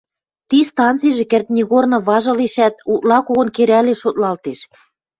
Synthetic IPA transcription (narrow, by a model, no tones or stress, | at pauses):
t̪ist̪ɑnt͡sijʒĕkĕrt̪̚nʲiɣornɤ̆βɑʒɤ̆leʃæt̪̚ut̪lɑkoɣɤ̆nkeɾæleʃot̪lɑlt̪eʃ